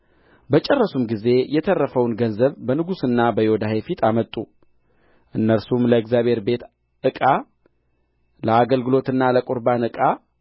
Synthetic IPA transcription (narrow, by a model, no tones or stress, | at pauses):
bət͡ʃʼɛrːəsumɡize̞jɛt̪ʰərːəfəwnɡənzəβbənɨɡusɨnːabəjɪod̪ahefit̪ʰamət̪ʼːu | ʔɨnːəɾsumləɛɡzjaβhe̞ɾbe̞t̪ | ʔɨkʼa | ləaɡəlɡɨlo̞t̪ɨnːaləkʼuɾbanɨkʼa